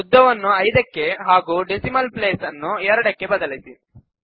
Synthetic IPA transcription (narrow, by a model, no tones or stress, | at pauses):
ud̪ːɐʋɐnːuɐjd̪ɐkːe̞ɦaːɡuːɖesimɐlpleːsɐnːuɛɾɐɽɐkːe̞bɐd̪ɐlisi